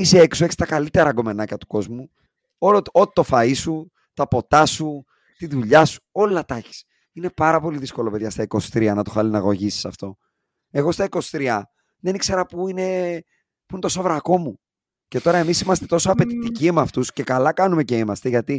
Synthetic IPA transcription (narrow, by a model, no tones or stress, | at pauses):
iseeksoe̞çist̪ɐkɐlit̪e̞ɾɐɡo̞me̞nɐcɐt̪u̥ko̞zmu | oloot̪t̪o̞fɐisu | t̪ɐpo̞t̪ɐsu | t̪iðuʎɐsu̥o̞lɐt̪ɐçi̥s | ine̞pɐɾɐpo̞liðisko̞lo̞pe̞ðʝɐst̪ɐiko̞st̪ɾiɐnɐt̪o̞xɐlinɐɣo̞ʝisi̥sɐft̪o̞ | e̞ɣo̞st̪ɐiko̞st̪ɾiɐ | ðe̞nikse̞ɾɐpuine̞ | puinet̪o̞sovɾɐko̞mu | ce̞t̪o̞ɾɐe̞misimɐst̪e̞̥t̪o̞soɐpe̞t̪it̪iciemɐft̪usce̞kɐlɐkɐnume̞ce̞imɐst̪e̞ʝɐt̪i